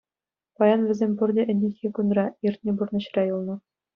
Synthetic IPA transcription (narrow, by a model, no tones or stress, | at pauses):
pɑjɑnʋɘ̆zʲemʲpurd̪ʲeʔɘ̆nʲːexʲekunrɑirt̪̚ʲnʲeburnɤ̆ɕ̆rʲɑjulˠnɤ̆